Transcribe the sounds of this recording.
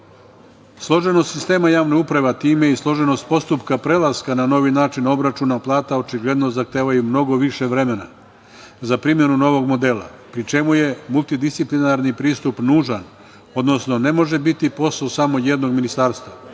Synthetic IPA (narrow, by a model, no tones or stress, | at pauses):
slˠo̞ʒe̞nost̪sist̪e̞ːmajaːʋneupɾaʋat̪iːmeislˠo̞ʒe̞no̞st̪po̞st̪upkapɾelˠaskanano̞ʋinaːt͡ʃino̞bɾat͡ʃunaplˠaːt̪ao̞t͡ʃiɡle̞d̪no̞zaxt̪e̞ːʋajumno̞ɡo̞ʋiʃe̞ʋɾe̞me̞na̰ | zapɾimje̞nuno̞ʋo̞ɡmo̞d̪e̞ːlˠa̰pɾit͡ʃe̞muje̞mulˠt̪id̪ist̪siplinaɾnipɾiːst̪upnuːʒan | o̞d̪no̞sno̞ne̞mo̞ʒe̞bit̪ipo̞saosamo̞jed̪no̞ɡminist̪aːɾst̪ʋa